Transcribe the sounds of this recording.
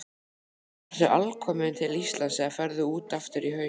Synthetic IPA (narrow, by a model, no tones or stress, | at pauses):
θʏʔalkʰɔːmɪnt̪ʰɪlist̪lansɛɣafɛɾðʏuːt̪aft̪ɪɾiɦœː